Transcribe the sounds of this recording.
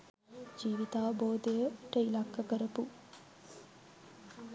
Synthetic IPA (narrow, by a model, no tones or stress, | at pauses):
d͡ʒiːʋit̪aːboːd̪ejəʈəilakːəkəɾəpu